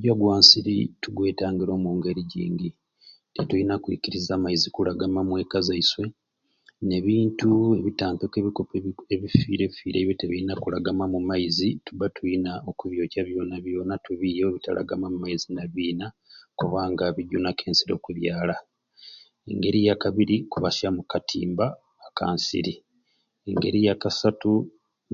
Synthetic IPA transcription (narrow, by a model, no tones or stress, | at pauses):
ɟaɡwaːnsiɾḭtuɡwe̞ːtaːŋɡiɾo̞ːmuŋɡe̞ɾiɟḭːŋɡi | tetuinakwḭkiɾizaːmaizikulaɡamamwe̞ːkazaiswe̞ | ne̞βiːntue̞βitaːmpekeβiko̞peeβifḭːɾe̞βifḭːɾʔḛːβjoteβiinakulaɡamamumaizituβatʰujinaokuβjo̞ːcaβjo̞ːnaβjo̞ːnatuβijoeβita̰lʔa̰ɡamamumaizinaβiːna | kuβaːŋɡaβiɟunakʰe̞ːnsiɾo̞̰kuβjaːla | eŋɡe̞ɾijakaβiɾikuβasamukatʰḭːmbaː | ka̰ːnsḭɾi | ŋɡe̞ɾijakasatu